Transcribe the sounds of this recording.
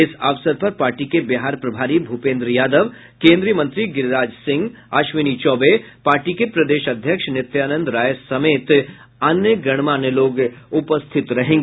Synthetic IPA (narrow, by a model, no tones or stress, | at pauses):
ɪsɐʋsəɾpɐɾpaːɾʈikebɪɦaːɾpɾɐbʱaːɾibʱupẽːnd̪ɾəjaːd̪əʋ | kẽːnd̪ɾijəmə̃nt̪ɾiɡɪɾɾaːd͡ʒsɪ̃ŋɡ | aːʃʋɪnit͡ʃɔːbepaːɾʈikepɾɐd̪eːʃɐd̪ʱjəkʃnɪt̪jaːnə̃nd̪ɾaːjsɐmeːt̪ | ɐnjəɡɐɽ̃maneloːɡʊpəst̪ʰɪt̪ɾɐɦẽːŋɡeː